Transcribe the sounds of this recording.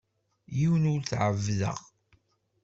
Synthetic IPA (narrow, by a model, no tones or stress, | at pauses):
jiwənʊɾθʕəvːðə̰ʁ